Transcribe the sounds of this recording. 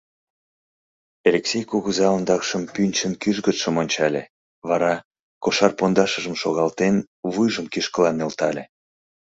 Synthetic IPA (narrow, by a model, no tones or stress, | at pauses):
elʲeksʲejkuɣuzɑənd̪ɑkʃəmpynʲt͡ɕənkyʒɣət̪ʃəmonʲt͡ɕɑlʲe | βɑɾɑ | koʃɑrpond̪ɑʃəʒəmʃoɣɑlt̪en | βujʒəmkiʃkəlɑnːelt̪ɑlʲe